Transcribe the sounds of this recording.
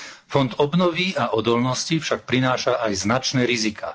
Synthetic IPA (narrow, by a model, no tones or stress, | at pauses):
fɔnd̪ɔbnɔʋiaʔɔd̪ɔlnɔscifʃak̚pɾinaːʃaajznat͡ʃnɛːɾizikʰaː